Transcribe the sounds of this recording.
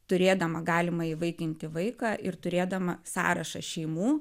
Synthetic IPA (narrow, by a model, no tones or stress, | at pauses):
t̪ʊɾʲeːd̪ɐmɐɡɑːlʲɪmɐiʋɐɪkʲɪnʲt̪ʲɪʋɐɪkɑːʔɪɾt̪ʊɾʲeːd̪ɐmɐsɑ̰ːɾɐʃɐ̰ʃʲɛɪmuː